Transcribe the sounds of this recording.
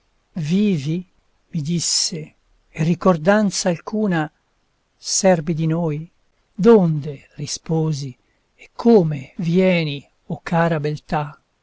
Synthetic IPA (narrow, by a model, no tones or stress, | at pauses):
viːvi | mid̪isːe | erikord̪ant̪saːlkuːna | sɛrbid̪inoːj | d̪ond̪erispoːzi | ekʰːoːmevjɛːni | okːaːɾabelt̪a